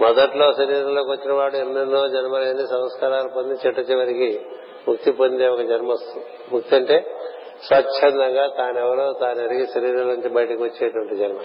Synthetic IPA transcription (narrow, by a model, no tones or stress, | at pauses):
mɔd̪ɐʈlo̞ːsɐɾiːɾɐloːkʋot͡ʃːinɐʋaːɽuenːɐnːoːd͡ʒɐnɐmɐlɐɐnːisɐmskaːɾaːlɐpond̪it͡ʃɛʈːɐt͡ʃːiʋɐɾiki | mukt̪ipond̪eːɔkɐd͡ʒɐnmɐost̪u | mukt̪ɐɳʈeː | sʋɐt͡ʃt͡ʃʰent̪ɐŋɡaːt̪aːnɛʋːɐɾoːt̪aːniʋɐɾikisɐɾiːɾɐloːuɲt͡ʃibɐjʈɐkiʋɐt͡ʃːeːɐʈuʋɐɳʈid͡ʒɐnmɐ